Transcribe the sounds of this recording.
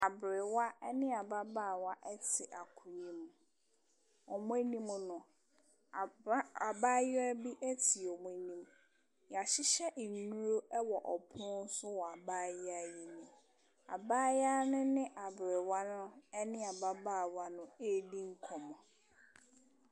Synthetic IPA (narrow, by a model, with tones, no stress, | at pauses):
a˨bɾɪ˨wa˦ɛ˦nɪ̃˦a˨ba˦baː˦˨wa˦ʔɛ˦tʰɪ˨ʔa˨kʰʊ˨ɲĩ˦m˨ | ɔ˨mʊ̃˦æ˦nĩ˦m˨nʊ̃˨˦ | a˨baː˦jɪ˦a˦bi˦ʔæ˦tʰi˨ɔ˨m˨ɛ˨nĩ˨m | ja˨ɕɪ˦ɕɛ˦ʔ̩˨n˨nːũ˦ɾo˦ɛ˦wɔ˨ʔɔ˨pʰʊ̃˦n˦sʊ˦wɔ˨a˨baː˦jɪ˦a˦je˨nĩ˨ | a̰˨baː˦ja˦nʊ̃˦nɪ̃˦ʔa˨bɾɪ˨wa˦nʊ̃˦ɛ˦nɪ̃˦a˨ba˦baː˦˨wa˦nʊ̃˦e˦˨di˦ŋ̩˦kʰɔ˨mɔ̃˨